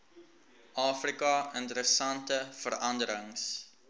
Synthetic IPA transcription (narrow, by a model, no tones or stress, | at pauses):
ʔɑːfrikɐəntəɾəsɐntəfəɾɐndəɾəŋs